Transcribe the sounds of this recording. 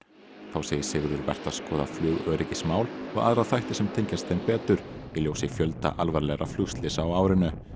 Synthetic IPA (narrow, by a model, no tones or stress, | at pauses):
θawseːjɪsɪːɣʏɾðʏɾvɛ̰r̥t̪askɔːðaflʏːɣœːɾɪcɪsmaːwlɔɣa̰ðɾaðθajht̪ɪsɛmt̪ʰejɲcast̪ejnpɛːt̪ʏɾ̥jɪljoːwsjɛɣfjœlt̪a̰ʔalvaɾlɛɣɾʔaflʏst̪lɪsawaːwɾɪnʏ